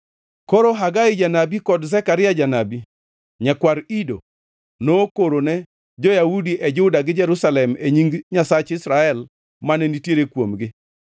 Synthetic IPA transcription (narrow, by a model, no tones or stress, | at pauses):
koɾoɦaɡaɪd͡ʒanabikɔdzɛkaɾɪjad͡ʒanabi | ɲakwaɾido | nokoɾonɛ | d͡ʒɔjaudiʔɛd͡ʒʊdaɡɪd͡ʒɛɾusalɛmeɲiŋɡɲasat͡ʃɪsɾaɛl | manɛnitjeɾekwomɡɪ